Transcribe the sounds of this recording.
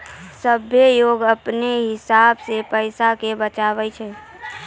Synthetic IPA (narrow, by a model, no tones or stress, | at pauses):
səbʱjejoːɡəpneɦɪsaːbsepəɪsakebət͡ʃaːʋɛt͡ʃʰɛ